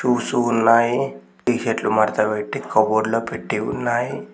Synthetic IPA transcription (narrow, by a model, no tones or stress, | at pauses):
ʃuːsuːnːaːji | iːʃeʈlumaɾt̪abeʈːikɐboɽlopeʈːiṵnːaːji